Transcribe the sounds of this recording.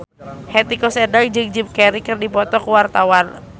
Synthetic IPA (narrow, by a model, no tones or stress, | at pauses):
hɛt̪ikɔsɛdald͡ʒɨŋd͡ʒip̚kɛɾikɨrdipɔt̪ɔkuwart̪awan